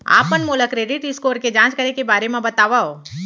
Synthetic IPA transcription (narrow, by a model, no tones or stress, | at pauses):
a̰ːpːənmoːləkɾeːɖɪʈɪskoːɾked͡ʒãːt͡ʃkəɾekebaːɾemãbət̪aːʋao